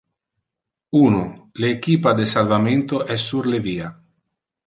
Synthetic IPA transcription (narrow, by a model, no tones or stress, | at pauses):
uːnoleːkiːpad̪esalvament̪oʔɛsːuɾleviːa